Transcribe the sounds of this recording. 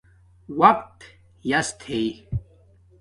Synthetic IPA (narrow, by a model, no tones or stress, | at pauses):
wɐqt̪ | jɐst̪ʰei